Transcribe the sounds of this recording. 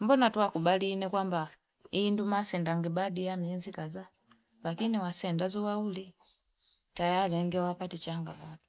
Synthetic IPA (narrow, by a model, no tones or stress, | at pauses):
mbɔnatuakubalinɛkwamba | indumasɛndaŋɡibadijamiɛnzikaza | lakiniwasɛndazuwauli | tajalɛŋɡɛwapatit͡ʃaŋɡamɔtɔ̥